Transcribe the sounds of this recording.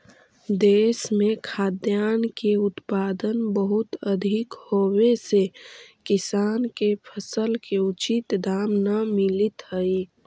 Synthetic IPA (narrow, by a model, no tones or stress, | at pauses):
d̪eːsmẽkʰaːd̪jaːnkeʊt̪paːd̪ənbəɦʊt̪əd̪ʱɪkhowesekɪsaːnkepʰəsəlkeʊt͡ʃit̪d̪aːmnamɪlit̪ɦəi